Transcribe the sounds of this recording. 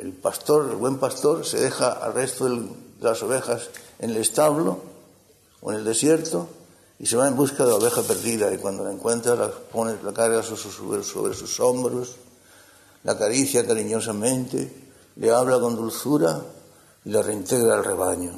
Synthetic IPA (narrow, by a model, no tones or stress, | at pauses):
ḛlpast̪o̞ɾḛlβwe̞mpast̪o̞ɾse̞̰ðe̞xaa̰lre̞st̪oðed̪elaso̞βe̞xase̞nelest̪aβlo̞ | oḛneld̪e̞sje̞ɾt̪o | ise̞βae̞mbuskaðelaoβe̞xape̞ɾðiðaikwand̪olaeŋkwẽ̞nt̪ɾalaponelakaɾɣasusso̰βso̰βɾḛsuso̞mbɾos | la̰kaɾiθjakaɾiɲo̞samẽ̞nt̪e̞̰ | leaβlako̞nd̪ulθuɾa | ilareint̪e̞ɣɾaelre̞βaɲo